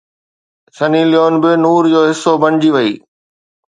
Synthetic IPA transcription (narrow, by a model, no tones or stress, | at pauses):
sɐnilɪjoːnbɪnuːɾd͡ʑoːɦɪsːobɐnd͡ʑiʋɐiː